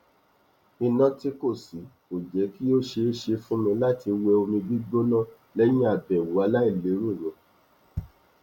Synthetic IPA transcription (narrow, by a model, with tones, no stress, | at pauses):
i˧nã˦ti˦ko˦˨si˨˦mo˨d͡ʒɛ˨˦ki˦o˦ʃe˧˦ʃe˧fũ˦mĩ˧la˦ti˧wɛ˧o˧mĩ˧bi˦ɡ͡bo˦nã˦˨ | lɛ˦j̃ĩ˦a˦˨bɛ˨wu˨a˨˧la˦i˦˨le˨˦ɾu˦˨ɾõ˨˦